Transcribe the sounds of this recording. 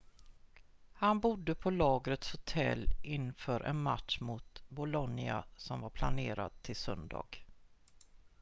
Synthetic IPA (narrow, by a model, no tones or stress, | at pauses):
hanbʊd̪ːəpʰɔlɑːɡɾət̪shʊt̪ʰɛ̰lːʔɪnːfœːɾʔɛ̰nma̰t̪ʂmʊt̪bʊlɔnːɪa̰sɔmvaɾpʰlaneːɾa̰d̪̚t̪ʰːɪlsœnd̪ɑ̰ːɡ̥